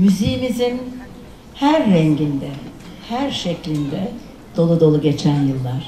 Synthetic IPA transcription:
myzejimizin | hæɾːɛɲɟind̪ɛ | hæɾʃeclʲind̪ɛ | d̪̥o̞lˠud̪o̞lˠuɟe̞t͡ʃʰænjɯlˠːaɾ̥

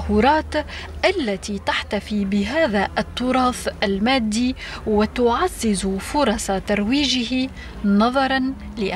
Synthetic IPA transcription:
huːɾˤɑːt̪ʔalːat̪it̪aħt̪afibɪɦaːðaʔt̪ˤːʊɾˤɑːfʔalmaːd̪ːi | wɪt̪ʊʕazːɪzfʊɾˤɑsɑt̪ɑɾˤwiːʒɪɦi | nɑðˤɑɾˤɑn | lɪʔ

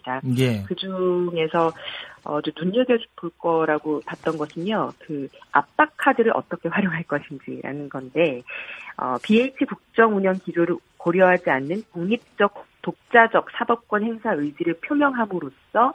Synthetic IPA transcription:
ɲidajekɯd͡ʑuŋe̞sʰʌʌ̰d͡ʑonuɲːeɡjed͡ʑu̥pʰuɭk͈ʌɾaɡopat̚t͈ʌnɡʌɕʰɯnjokɯa̰p͈akʰadɯɾɯɾʔʌ̰t͈ʌkʰe̞ɸwaɾjoŋɦaɭk͈ʌɕʰind͡ʑiɾa̰nɯnɡʌnde̞ | ʌ̰pieit͡ɕʰikuk̚t͡ɕ͈ʌŋuɲʌŋkid͡ʑoɾɯɭkoɾjʌɦad͡ʑianːɯnpoŋɲip̚t͡ɕ͈ʌk̚tok̚t͡ɕ͈ad͡ʑʌk̚s͈ʰabʌp̚k͈wʌnhe̞ŋsʰaɯid͡ʑiɾɯɭpʰjomjʌŋɦamɯɾos͈ʰʌ

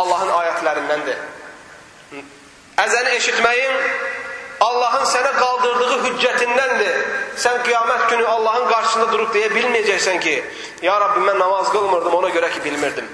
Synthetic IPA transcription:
ɑlˠːɑɦɯnɑːjɛt̪ʰlæɾɪnd̪ɛnd̪ɪ | ɛzɛnɪeʃit̪mɛjiŋ | ɑlˠːɑɦɯnsɛnɪqɑlˠd̪ɯɾd̪ɨʁɯɦyd͡ʒːɛt̪ʰind̪ɛnd̪ɪsɛnqʰijɑːmɛt̪kʲynyɑlˠːɑɦɯnqɑɾʃɨ̥snd̪ɑd̪uɾup̚d̪ejɛbilmijɛd͡ʒɛkʲsɛŋkʲʰi | jɑːɾɑbːɪmɛnːɑmɑzɡolˠmuɾd̪ɨmonɑkʲøɾɛkʲibilmɪɾd̪ɪm

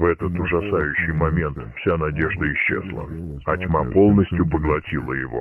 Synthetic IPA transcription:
vɛt̪ət̪ʊʐɐsajʉɕːɪjmɐmʲe̞nt̪fsʲanɐdʲe̞ʐd̪əɪɕːḛzlˠə̰ɐtʲmapo̞lˠnəsʲtʲjʊpəɡlˠɐtʲilˠəjɪvo̞̰

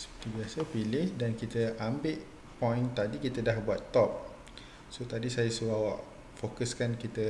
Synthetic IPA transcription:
sə̥pə̥t̪ibiasəpilɪhdankit̪əʔambɪʔ | pɔ̃jnt̪adikit̪ədahbuat̪ːɔp̚ | sot̪adisajasuawaʔ | fokəskankit̪ə

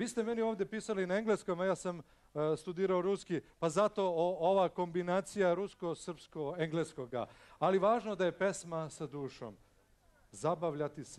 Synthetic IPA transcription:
ʋiːst̪eme̞nio̞ːʋd̪jepiːsalinaeŋɡle̞skojmajaːsam | st̪ud̪iːɾaoɾuskipazat̪o̞oʋako̞mbinaːt̪sijaɾusko̞sr̩pskoeŋɡleskoɡa̰aliʋaːʒnod̪aje̞pe̞smasad̪uːʃo̰m | zabaʋʎat̪is

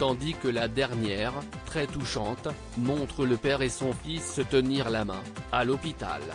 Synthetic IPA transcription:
t̪ɑ̃d̪ikəlad̪ɛʁnjɛʁ | t̪χɛt̪uʃɑ̃t̪ | mɔ̃t̪χələpɛʁesɔ̃fisːət̪əniʁlamɛ̰̃alɔpit̪a̰l

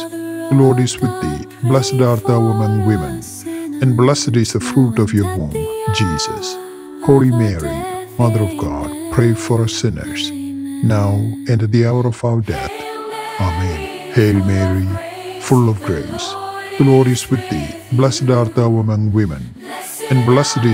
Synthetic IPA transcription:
ɡlɔɹɖɪzwɪd̪̚ːḭ | blɛsədaɾt̪awɪmə̃nwɪ̃mə̰̃n | ɛ̃nblɛsɨɾɪzðəfɾuːʈɔfjɔwõnd͡ʒiːzə̰s | holimɛɹḭmʌðəɾɔvɡɑ̰d̥pʰɹeɪfɔɾasɪ̃nə̰˞z̥naʊɛ̃nd̪iaʊəɾɔvaʊə˞dɛ̰θ | amɛ̃n | helmɛɹi | fʊlɔvɡɹeɪsɡ̥lɔɾiswɪð̚ːḭ | blɛsədaɾt̪awəmə̃nwɪmɨ̰̃n | ɛ̃nblɛsədɪ

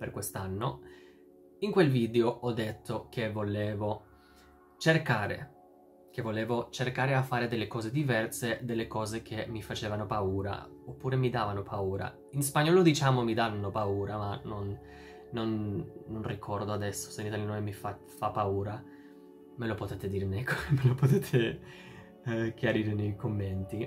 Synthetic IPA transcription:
perkwest̪anːo | iŋkwelviːd̪eoɔd̪ːet̪ʰːokʰevːoleːvo | t͡ʃerkaːɾḛ | kevːoleːvot͡ʃerkaːɾeafːaːɾed̪elːekɔːzed̪ivɛrsed̪elːekɔːzek̟ʰemːifat͡ʃeːvanopauːɾa̰opːuːɾemid̪aːvanopʰauːɾa̰ | ins̬paɲːɔːlod̪it͡ʃaːmomid̪anːopauːɾamanonː | onːonrikʰɔrd̪oad̪ɛsːo̥seinit̪aljanoemifa | fapːauːɾa | melopot̪ɛːt̪ed̪iːɾnekːomelopot̪ɛːt̪ʰe | k̟jaɾiːɾenejkomːent̪i

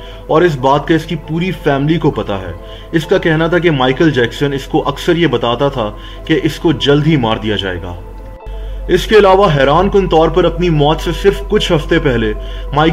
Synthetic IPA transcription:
ɔːɾɪs̬baːt̪̚kaɪskipuːɾifɛːmlikopɐt̪a̰ɦɛ̰ː | ɪskakɛɦnat̪ʰak̬emaːɪkəld͡ʒɛːksənɪskoʔɐksəɾjebɐt̪aːt̪at̪ʰa | keʔɪskod͡ʒɐld̪ʱɦimaːɾd̪ijad͡ʒa̰ːḛːɡa̰ː | ɪskeɪlaːʋaɦɛːɾaːnkʊnt̪ɔːɾpɐɾɐpnimɔːt̪sesɪɾfkʊt͡ʃʰɦɐft̪epɛɦlemaːɪ

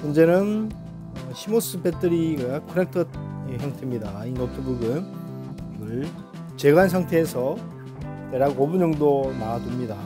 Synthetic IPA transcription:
mond͡ʑe̞nɯn | ʌɕʰimos͈ɯbet͈ʰɯɾiɡakʰɯɾek̚tʰʌeçjʌŋtʰe̞mɲidainopʰibuɡɯn | ɡʌɭ | t͡ɕe̞ɡans̬ʰaŋtʰe̞ːsʰʌ | teɾaɡobuɲʌŋdonadɯmɲida

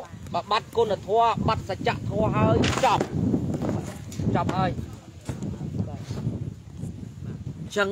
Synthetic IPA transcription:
ɓaɓat̪̚kunːat̪ʰɔəɓat̪̚sat͡ɕaʔt̪ʰɔəɦaəjt͡ɕɑp̚ | t͡ɕɑp̚haəj | t͡ɕəŋ

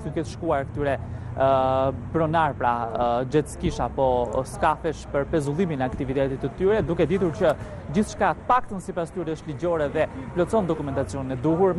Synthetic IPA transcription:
d̪ukɛt̪əʃkuaɾkə̥t̪yɾɛ | bɾɔnaɾpɾad͡ʑɛt̪skiʃapɔskafɛʃpəɾpɛzulˠiminɛakt̪ivit̪ɛt̪it̪ət̪yɾɛd̪ukɛd̪it̪uɾt͡ɕə | d͡ʑiθʃkat̪əpak̚t̪ənsipast̪yɾɛəʃt̪lid͡ʑɔɾɛðɛplɔt͡sɔnd̪ɔkumɛnt̪at͡siɔninɛd̪uɦuɾ

